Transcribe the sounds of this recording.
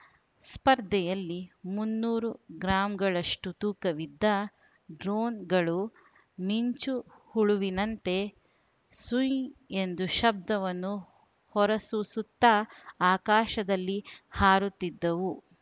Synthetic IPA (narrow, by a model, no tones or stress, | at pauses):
spɐɾd̪ʱɛjɐlːimunːuːɾuɡɾaːmɡɐɭɐʂʈut̪uːkɐʋid̪ːɐ | ɖɾoːnɡɐɭu | miɲt͡ʃuhuɭuʋinɐnt̪e̞ | suje̞nd̪uʃɐb̚d̪ɐʋɐnːu | hɔɾɐsusut̪ːɐaːkaːʃɐd̪ɐlːihaːɾut̪ːid̪ːɐʋu